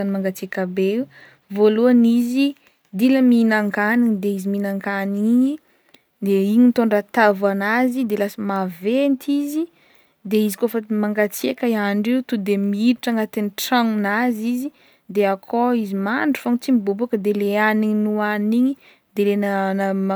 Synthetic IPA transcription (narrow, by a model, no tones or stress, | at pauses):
animaŋɡat͡siakabeiw | voluanizi | d̪iləminaŋkaniɲd̪eiziminaŋkaniɲi | d̪eiɲint̪oɳrat̪avanazid̪elasamavent̪ʰizi | d̪eizikofəmaŋɡat͡siakaiaɳɖ͡ʐewt̪ud̪emiiɾiʈ͡ʂaŋat̪enʈ͡ʂaŋunazizi | d̪eakʰoizimaɳɖ͡ʐu̥foŋt͡simibubukəd̪eleaniɲnuaniɲi | d̪elennam